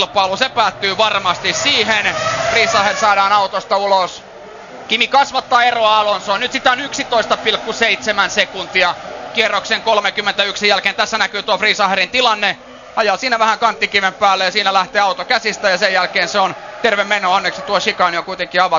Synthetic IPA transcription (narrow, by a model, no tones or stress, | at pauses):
lpɑlusepæːt̪ːyːʋɑrmɑst̪issiːhenfriːsɑhersɑːɾɑːnɑut̪ost̪ɑulos | kimikɑsʋɑt̪ːɑːeroɑɑlonsonnyt̪sit̪æonyksit̪oist̪ɑpilkːuseit̪semænsekunt̪iɑkierːokseŋkolmekymːent̪æyksijælkeːnt̪æsːænækyːt̪uɑfriːsɑherint̪ilɑnːe | ɑjɑːsiːnæʋæhæŋkɑnt̪ːikimempæːlːejɑsiːnælæht̪eːɑut̪okæsist̪æjɑsejjælkeːnseont̪erʋemːenoɑnːeksit̪uoʃikɑniokuit̪eŋkiɑʋɑ